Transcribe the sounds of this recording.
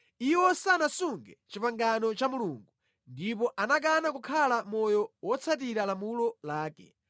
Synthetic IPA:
iwɔsanasuŋɡɛ̰t͡ʃipaŋɡanɔt͡ʃamuluːŋɡu | ndip̬ɔʔanak̬anakukʰalamɔjɔwɔt͡sʰatiɾalamulɔlaːkɛ̰

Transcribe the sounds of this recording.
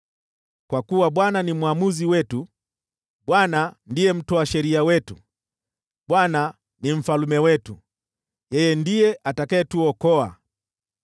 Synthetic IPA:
kwakuwaɓwananimwamuziwɛtu | ɓwanandijɛm̩tɔaʃɛɾiawɛtṵ | ɓwana | nim̩falumɛwɛtu | jɛjɛndijɛʔatakaɛtuɔkɔa̰

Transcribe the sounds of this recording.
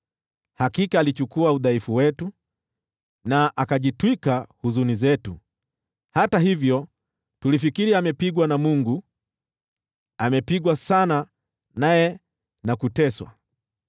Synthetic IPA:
hakikaːlit͡ʃukuauðaifuwɛtu | naʔakaʄitwikahuzunizɛtṵ | hataɦivjɔ | tulifikiɾiamɛpiɠwanamuŋɡu | amɛpiɠwasana | najɛ | nakutɛswa̰

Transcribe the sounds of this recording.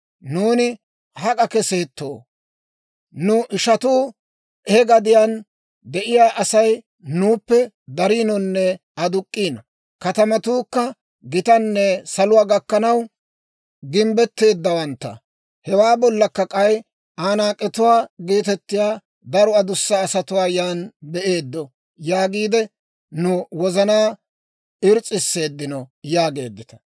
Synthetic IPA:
nuːnɪ | hɐkʼɐkɛse̞ːt̪ːo̰ː | nʊʔɪʃɐt̪uː | hɛɡɐd̪ɪjan | d̪ɛʔɪjaːʔɐsɐj | nuːpːɛ | d̪ɐɾiːnɔnːɛ | ɐd̪ʊkʼːiːnɐ | kɐt̪ɐmɐt̪uːkːɐ | ɡɪt̪ɐnːɛsɐlʊwaːɡɐkːɐnɐw | ɡɪmbɛt̪ːe̞ːd̪ːɐwɐnt̪ːɐ̰ | hɛwaːbɔlːɐkːɐkʼɐj | aːnaːkʼːɛt̪ʊwaːɡeːt̪ɛt̪ːɪjaː | d̪ɐɾɔɐd̪ʊsːɐːsɐt̪ʊwaːjaːnbɛʔe̞ːd̪ːɔ | jaːɡiːd̪ɛ | nʊwɔzɐnaː | ɪɾt͡sʼːɪsːe̞ːd̪ːɪnɔjaːɡe̞̰ːd̪ːɪt̪ɐ̥

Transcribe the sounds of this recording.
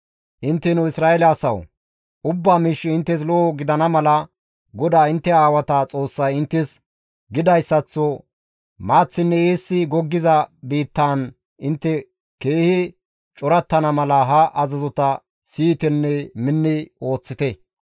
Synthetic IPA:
ʔɪnt̪ːɛnʊɪsɾaːɛlɐːsɐ̰w | ʔʊbːaːmiːʃːɪɪnt̪ːɛs̬lɔʔːɡɪd̪ɐnɐmɐlɐ | ɡɔd̪aːɪnt̪ːɛaːwɐt̪ɐt͡sʼo̞ːsːɐjɪnt̪ːɛs | ɡɪd̪ɐjsːɐt͡sːɔ | maːt͡sːɪnːɛeːsːɪɡɔɡːɪzɐbiːt̪ːan | ɪnt̪ːɛ | ke̞ːhɪ | t͡ʃʼɔɾɐt̪ːɐnɐmɐlɐɦɐʔɐzɐzɔt̪ɐ | siːt̪ɛnːɛmɪnːɪo̞ːt͡sːɪt̪ɛ

